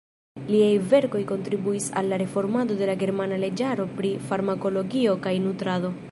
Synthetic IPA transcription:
liajve̞ɾko̞jko̞ntɾibuisa̰lːaɾe̞fo̞ɾmado̞de̞laɡe̞ɾmanale̞d͡ʒaɾo̞pɾifaɾmako̞lo̞ɡio̞kajnutɾado̞

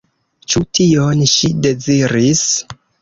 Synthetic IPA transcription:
t͡ʃutionʃide̞ziɾis

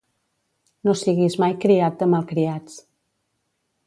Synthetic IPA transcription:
nosiɣizmajkɾiat̪̚d̪əmalˠkɾiat͡s

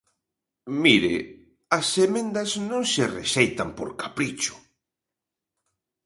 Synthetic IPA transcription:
miɾḛ | ɐsemẽnd̪ɐznõŋserḛʃejt̪ampoɾkapɾit͡ʃʊ̥

